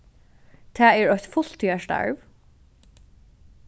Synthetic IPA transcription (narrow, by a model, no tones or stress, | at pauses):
t̪ʰæːɛɹɔçt̪fʊl̥t̪ʰiːaʃta̰ɹv